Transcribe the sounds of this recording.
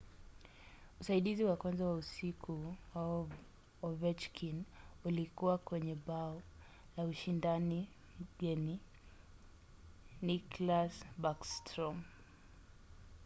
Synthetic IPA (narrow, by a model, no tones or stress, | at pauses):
usaiɗiziwakwanzawausikʰuwaɔ | ɔvɛt͡ʃkʰinulikuwakwɛɲɛɓaɔ | lauʃindani | m̩ɡɛni | niklasɓakstɾɔm